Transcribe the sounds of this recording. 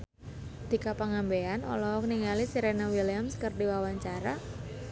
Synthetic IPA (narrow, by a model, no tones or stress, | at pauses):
d̪̥ikapaŋambeanɔ̰lɔkniŋalisiɾenawilamskərdiwawaɲt͡ʃaɾa